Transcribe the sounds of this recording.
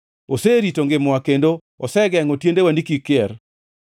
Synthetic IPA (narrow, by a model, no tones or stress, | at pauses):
oseɾitoŋɡɪmɔakendo | ɔsɛɡɛŋotjendewandikikɪɛr